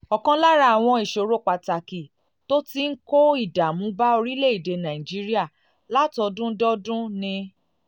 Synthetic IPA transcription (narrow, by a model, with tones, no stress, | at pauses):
ɔ˨kã˧la˦ɾa˧a˨w̃ɔ̃˧i˨ʃo˨ɾo˦k͡pa˨ta˨ki˨ | to˦ti˦ŋ̩˦ko˦i˦˨da˨mũ˨˦ba˦o˧ɾi˦le˦˨i˨de˨˧nã˨ĩ˨d͡ʒi˦ɾi˦a˦˨ | la˦tɔ˧dũ˦dɔ˦dũ˦nĩ˧